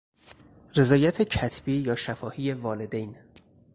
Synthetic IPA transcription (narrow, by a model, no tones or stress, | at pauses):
re̞zɒːjæt̪ʰe̞cʰæt̪ʰb̥iːjɒːʃæfɒːhiːje̞vɒːle̞d̪ejn